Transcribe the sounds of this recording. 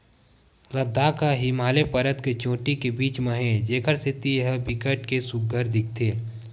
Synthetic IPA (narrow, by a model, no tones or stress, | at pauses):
lɐd̪aːkaɦɪmaːlepɐɾət̪ket͡ʃõːʈikebiːt͡ʃməɦẽd͡ʒeːkʰəɾset̪iɦəbɪkəʈkesʊɡəɾd̪ɪk̚ʰt̪ʰeː